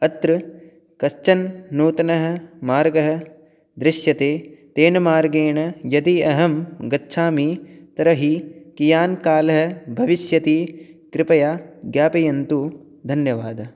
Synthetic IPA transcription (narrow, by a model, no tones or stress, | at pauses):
ɐt̪ɾɨ | kɐst͡ʃɐnːuːt̪ɐnɐɦɐ̆maːɾɡɐɦɐ̆ | d̪ɾɪʃjɐt̪eːt̪eːnɐmaːɾɡeːɳɐjɐt̪iɐɦɐmɡɐtːʃʰaːmiːt̪ɐɾɐɦikijaːnkaːlɐɦɐ̆bʱɐʋiʃjɐt̪ikɾɪpɐjaːɡjaːpɐjɐnt̪u | d̪ʱɐnjɐʋaːd̪ɐ